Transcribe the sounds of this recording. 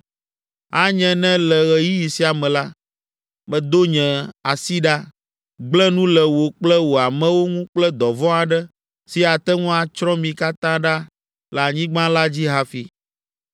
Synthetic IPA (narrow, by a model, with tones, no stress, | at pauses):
a˦ɲɛ̃˨nɛ̃˦lɛ˨ɣɛ˨ji˦ji˨si˦a˨mɛ̃˨la˦ | mɛ̃˨d̪o˦ɲɛ̃˨a˨si˦ɖa˦ | ɡ͡blɛ̃˦nũ˦lɛ˨wo˨k͡plɛ˦wo˨a˨mɛ̃˦wo˦ŋũ˦k͡plɛ˦d̪ɔ˨vɔ̃˦a˨ɖɛ˦ | si˨a˨t̪ɛ˦ŋũ˦a˨t͡ʃɾɔ̃˦mĩ˨ka˦t̪ã˦ɖa˦ | la˨ɲĩ˦ɡ͡bã˦la˦d͡ʑi˦ɦa˨fi˨